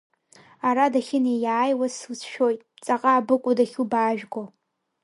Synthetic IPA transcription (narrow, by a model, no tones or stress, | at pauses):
aɾadaxʲɪnejaːjwaswsʃᶣojtʼt͡sʼaqʼaːbɨkʷʼʊdaxʲubaːʒᶣɡʷo